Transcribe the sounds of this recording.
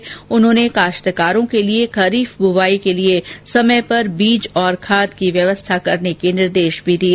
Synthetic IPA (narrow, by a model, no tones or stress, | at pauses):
ʊnɦõːnekaːʃt̪əkaːɾõkeliekɐɾiːfbʊʋaːikeliesɐməjpɐɾbiːd͡ʒɔːɾkʰaːd̪kiʋjɐʋəst̪ʰakɐɾnekinɪɾd̪eːʃbʱid̪iː